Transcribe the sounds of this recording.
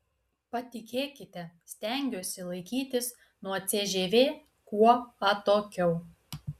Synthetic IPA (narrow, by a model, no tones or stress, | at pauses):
pɐt̪ʲɪkʲeːkʲɪt̪ʲɛsʲt̪ʲɛˑŋʲɡʲoːsʲɪlˠɐɪkʲiːt̪ʲɪs | nuɔt̪sʲeʒʲeːʋʲeː | kuɔɐt̪oːkʲɛʊ